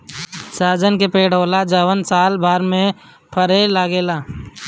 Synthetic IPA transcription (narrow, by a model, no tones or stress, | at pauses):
saːd͡ʒənkepeːɽ̤ɦoːlad͡ʒəːʋənsaːlbʱaːɾmẽ | pʰəɾeːlaːɡeːlaː